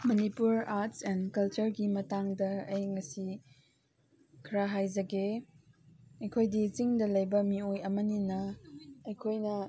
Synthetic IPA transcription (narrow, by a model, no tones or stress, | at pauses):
mɐnipuɾaɾtsɛnkɐlt͡ʃɐɾɡimɐtaŋdɐɐjŋɐsi | kʰɾaɦajzɐɡe | ɐjkʰojdit͡ʃiŋdɐlɐjbɐmiojɐmɐninɐɐjkʰojnɐ